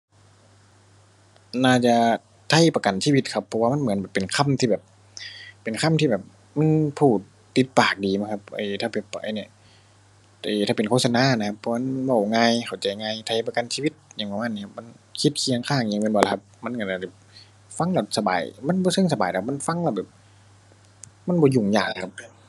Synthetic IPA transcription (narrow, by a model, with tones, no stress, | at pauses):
naː˧˩t͡ɕa˧˨ | t̪ʰa˧˥˨jpa˧ka˨nsiː˧˨wi˧t̪̚kʰa˧pʰːɔ˧waː˧ma˧˥˨nmɯ˨˦nbɛː˨˩pe˨nkʰa˧˥˨mt̪ʰiː˧bɛː˨˩p̚ː | e˨˩nkʰa˧˥˨mt̪ʰiː˧bɛː˨˩p̚ | ma˧˥˨npʰuː˧˩t̪̚ːi˧˦t̪̚paː˨˩k̚diː˨˩m˧˥˨kʰa˧p̚ʔɤ̰ː˧˩t̪ʰaː˧˩bɛː˧˩p̚ʔa̰˧˨jna˧˨ | ʔeː˨˩t̪ʰaː˧˩pe˨nkʰoː˧˨sa˧naː˧˥˨na˧kʰa˧pʰːɔ˧ma˧˥˨nba˧˩wŋaː˧jxʰa˨˩wt͡ɕa˨˩jŋaː˧jt̪ʰa˧˩jpa˧ka˨nsiː˧wi˧t̪̚ɲa˧˨ŋaː˧˦maː˧˨niː˧˨a˧p̚ma˧˥˨n | kʰi˧t̪̚kʰi˧əŋkʰaː˧˥˩ŋjaː˧˩ŋmi˧˥˨bɔː˧˩la˧kʰa˧p̚ma˧˥˨nka˧˩naː˧˩bɛ˨˩p̚ | fa˧˨ŋlɛ˧˩sa˧ba̰ː˨jma˧˥˨nbɔː˧˦sɤ˧˨ŋsa˧baː˨jtʰma˧˥˨nfa˧˥˨ŋlɛ˧˩bɛː˨˩p̚ | ma˧˥˨nbɔː˧˨˦ju˨˩ŋjaː˨˩ŋ˧˨kʰa˧p̚